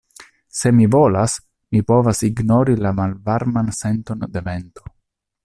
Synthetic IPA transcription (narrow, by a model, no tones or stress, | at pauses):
se̞mivo̞las | mipo̞vasiɡno̞ɾilamalvaɾmansent̪o̞nd̪event̪o